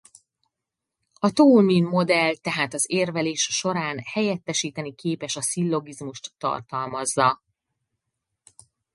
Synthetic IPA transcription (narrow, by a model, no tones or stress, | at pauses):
ɒt̪olminmo̞d̪ɛlt̪ɛɦaːt̪ɒzeːrvɛleːʃʃo̞ɾaːnhɛjɛt̪ːɛʃiːt̪ɛnikeːpɛʃɒsilːo̞ɡizmuʃt̪ːɒ̰rt̪ɒlmɒzːɒ